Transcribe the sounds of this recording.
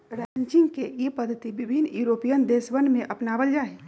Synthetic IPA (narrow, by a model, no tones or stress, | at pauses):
ɾaɲt͡ʃɪ̃ŋɡkejepəd̪ʱːət̪iʋɪbʱinːjuːɾoːpijənd̪eːsʋənmẽʔɐpnaʋəld͡ʒaːe